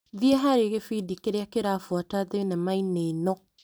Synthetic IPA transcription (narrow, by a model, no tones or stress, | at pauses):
ðiɛɦaɾeɣefidikeɾeakeɾafwataðenɛmainenɔ